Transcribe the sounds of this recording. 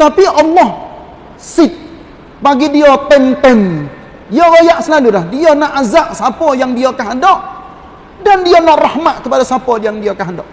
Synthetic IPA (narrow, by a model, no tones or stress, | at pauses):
t̪apiʔalːɔh | sɪt̪̚ | baɡidiɔt̪ɛnt̪ɛn | diɔɡojaʔsəlalulahdianaʔazaʔsapɔjaŋdiakaɦadɔʔ | dandianaʔrahmaʔ̪kəpadasapɔdiaŋdiɔkaɦandɔʔ